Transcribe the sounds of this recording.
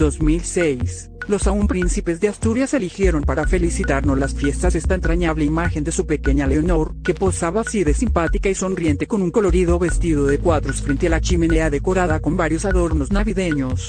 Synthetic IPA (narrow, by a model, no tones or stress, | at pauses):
ozmilse̞js | lo̞saumpɾinsipe̞zðeast̪uɾjase̞lixje̞ɾo̞mpaɾafe̞lisit̪aɾnoslasfje̞st̪asest̪aent̪ɾaɲaβleimaxe̞nd̪e̞supe̞ke̞ɲale̞ono̞ɾkepo̞saβasiðesimpat̪ikaiso̞nrje̞nt̪e̞̥ko̞nuŋko̞lo̞ɾiðo̞βe̞st̪iðo̞ðe̞kwaðɾosfɾe̞nt̪ealat͡ʃime̞ne̞aðe̞ko̞ɾaðako̞mbaɾjo̞saðo̞ɾno̞znaβiðe̞ɲo̞s